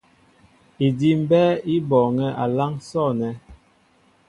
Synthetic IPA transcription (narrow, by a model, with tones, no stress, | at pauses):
i˨di˦m˦bɛ˦i˦bɔː˨ŋɛ˦ʔa˨la˦ŋsɔ˦˨nɛ˨˦